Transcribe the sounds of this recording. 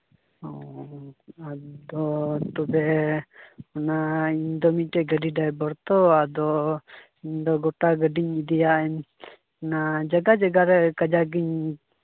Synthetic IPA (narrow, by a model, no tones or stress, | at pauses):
ɔ | ad̪ɔt̪ɔbɛ | ɔnaiɲd̪ɔmiʈɛɡəɖiɖajbɔɾt̪ɔad̪ɔ | iɲd̪ɔɡɔʈaɡəɖiɲid̪ɛjaɛɲ | nad͡ʒaɡad͡ʒaɡaɾɛkad͡ʒaɡiɲ